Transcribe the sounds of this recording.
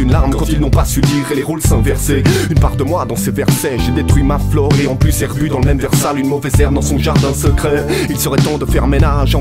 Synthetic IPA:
ynlaʁmkɑ̃t̪ilnɔ̃pasyd̪iʁeleʁulsɛ̃vɛʁseynpaʁd̪əmwad̪ɑ̃sevɛʁsɛʒed̪et̪χɥimaflɔʁeɑ̃plysɛʁbyd̪ɑ̃ləmɛmvɛʁsalynmɔvɛzɛʁmd̪ɑ̃sɔ̃ʒaʁd̪ɛ̃səkχɛilsəʁɛt̪ɑ̃d̪əfɛʁmenaʒɑ̃

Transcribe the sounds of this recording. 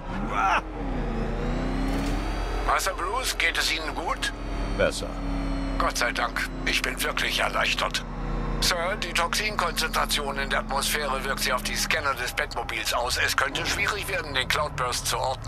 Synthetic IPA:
va | v̥asɐbloːsɡ̥eːtɛsʔiːnənɡuːt | b̥ɛsɐ̰ɡ̥ɔtz̥aɪdaŋk | ʔɪçb̥ɪnvɪɐkʰlɪçɛɐlaɪçtɐt | sœɐd̥iːtʰɔksiːnkʰɔnt͡sɛntʁ̥at͡sjoːnɪndeːɐʔatmosfɛːʁ̞əvɪɐktz̥iːaʊfd̥iːskɛnədɛsb̥ɛtmobiːlsaʊsɛskʰœntəʃv̥iːʁɪçv̥eːɐdn̩deːnkl̥aʊt̚b̥œɐst͡suʔɔɐdnə

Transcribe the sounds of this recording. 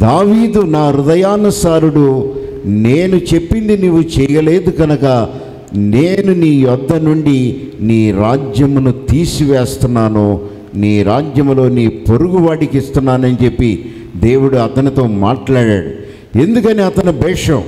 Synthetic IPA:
d̪aːʋiːd̪unaːɾud̪ɐjaːnɐsaːɾuɽu | neːnut͡ʃe̞pːind̪inuʋːut͡ʃɛjɐle̞ːd̪uɡɐnɐkɐ | neːnuniːjɔd̪ʱːɐnuɳɖiniːɾaːd͡ʒjɐmunut̪iːsiʋeːst̪unːaːnoː | niːɾaːd͡ʒjɐmlo̞ːniːpoɾuɡuʋaːɽikist̪unːaːnɐnit͡ʃe̞pːi | d̪e̞ːwuɽuɐt̪ɐnit̪o̞ːmaːʈlaːɽa̰ːɽṵ | e̞nd̪ukɐniɐt̪ɐnibɛːʂɐ̃m

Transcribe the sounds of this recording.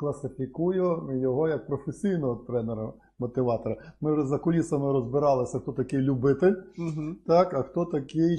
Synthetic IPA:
klˠɐsɪfʲikujʊjɔɦɔjɐk̚pɾɔfesʲijnɔɦɔt̪ɾɛneɾɐ | mɔt̪ɪʋɑt̪ɔɾɐmɪwʒɛzɐkɔlʲisɐmɪɾɔzbɪɾɑlˠɪsʲɐxt̪ɔt̪ɐkɪjlʲʊbɪt̪ɪlʲt̪ɑkɐxt̪ɔt̪ɐkɪj

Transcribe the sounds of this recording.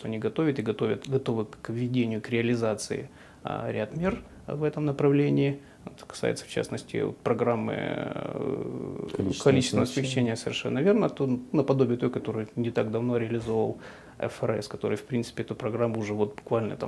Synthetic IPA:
t̪oɐnʲiɡɐt̪o̞vʲɪt̪ɨɡɐt̪ovʲət̪ɡɐt̪o̞vɨkvʲːɪdʲenʲɪjʊkɾʲɪəlʲɪzat̪sɨɪ̰ | ɾʲat̪mʲer | vɛt̪əmnəpɾɐvlʲenʲɪː | ɛt̪kɐ̥sa̰jɪ̰t̪sə̥ft͡ɕa̰snəsʲtʲɪ̰o̰t̪̚pɾɐɡɾamːɨ̰ | kɐlʲit͡ɕɪst̪vəsmʲɪxt͡ɕːenʲɪjəsəvʲɪrʂɛ̰nːəvʲernət̪onəpɐd̪o̞bʲɪjɪt̪o̞jkɐt̪o̞ɾɨjnʲɪt̪aɡd̪ɐvno̞ɾʲɪəlʲɪzo̞vəlˠ | ɛ̰fɛɾɛ̰skɐt̪o̞̰ɾɨ̰jfpɾʲint̪sɨ̥pʲɪɛt̪ʊpɾɐɡɾamːʊːʐɛvo̞t̪̚bʊkvalʲnə̰t̪a̰

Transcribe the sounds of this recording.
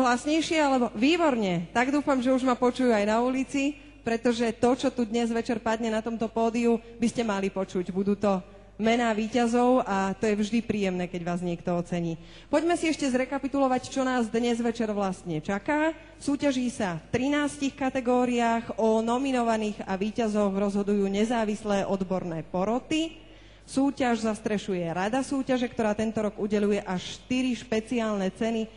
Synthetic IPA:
ɦlasɲɛjʃɪɛalɛbɔʋiːbɔɾɲɛt̪aɡd̪uːfamʒɛuʒmapɔt͡ʃujuajnaulit͡si | pɾɛt̪ɔʒɛt̪ɔt͡ʃɔt̪ud̪ɲɛzʋɛt͡ʃɛɾpad̪ɲɛnat̪ɔmt̪ɔpɔːd̪iubiscɛmalipɔt͡ʃuɟbud̪uːt̪ɔ | mɛnaːʋiːcazɔʊat̪ɔjɛvʒd̪ipɾiːjɛmnɛːkɛɟʋaːzɲɪɛkt̪ɔɔt͡sɛɲiː | pɔɟmɛsiɛʃcɛzɾɛkapit̪ulɔʋact͡ʃɔnaːzd̪ɲɛzʋɛt͡ʃɛɾʋlast̪ɲɛt͡ʃakaː | suːcaʒiːsaft̪ɾinaːscixkat̪ɛɡɔːɾiaːɣɔnɔminɔʋaniːɣaʋiːcazɔɣɾɔzɦɔd̪ujuːɲɛzaːʋislɛːʔɔd̪bɔɾnɛːpɔɾɔt̪i | suːcaʒzast̪ɾɛʃujɛɾad̪asuːcaʒɛkt̪ɔɾaːt̪ɛnt̪ɔɾɔɡuɟɛlujɛʔaʃʃt̪iɾiʃpɛt͡siaːlnɛt͡sɛni

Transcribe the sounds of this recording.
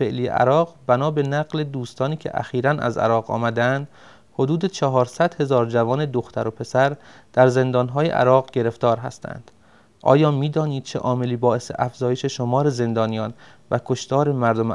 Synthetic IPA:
eʔliːjḛʔæ̰ɾɒːɣbænɒːbe̞næɣled̪uːst̪ɒːniːcʰe̞̰ʔæ̰xiːɾænʔæ̰zæ̰ɾɒːʁɒ̰ːmæd̪eænd̪̥ | ho̞d̪uːd̪et͡ʃʰɒɦɒːɾsæd̪̥he̞zɒːɾd͡ʒævɒːned̪oxt̪ʰæɾo̞pʰe̞sæɾ | d̪̥æɾze̞nd̪ɒːnɦɒːje̞̰ʔæ̰ɾɒːɣɟe̞ɾe̞ft̪ɒːɾɦæ̰st̪ʰæ̰nd̪̥ | ʔɒ̰ːjɒːmiːd̪ɒːniːd̪̥̚t͡ʃʰeʔɒːme̞liːbɒːe̞sḛʔæfzɒːje̞ʃe̞ʃomɒːɾeze̞nd̪ɒːnijɒːn | vækʰo̞ʃt̪ɒːɾe̞mæɾd̪ome

